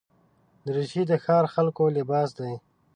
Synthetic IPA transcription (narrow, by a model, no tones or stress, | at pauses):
d̪əɾɪʃid̪əxɑːɾxalkolɪbɑːsd̪aj